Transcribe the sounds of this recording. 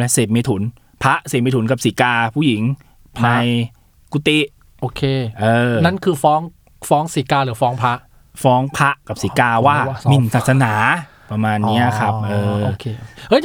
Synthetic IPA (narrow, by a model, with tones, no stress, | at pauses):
lɛ˦˥seː˨˩p̚meː˧t̪ʰu˩˦n | pʰa˦˥ʔse˨˩p̚meː˧t̪ʰu˩˦nka˨˩p̚siː˩˦kaː˧pʰuː˥˩ji˩˦ŋ | pʰmaː˧j | ku˧˥t̪i˦˥ | ʔoː˧˩kʰeː˧˩ʔɤː˧na˦˥nkʰɯː˧fɔː˦˥ŋ | fɔː˦˥ŋsiː˩˦kaː˧ɾɯː˩˦fɔː˦˥ŋpʰa˦˥ʔ | fɔː˦˥ŋpʰa˦˥ʔka˨˩p̚siː˩˦kaː˧waː˥˩mi˨˩nsaː˨˩t̪̚sa˧naː˩˦ | pa˧maː˧nːi˦˥a˨˩kʰa˦˥p̚ʔɤː˧okʰːʔɤ˦˥˩j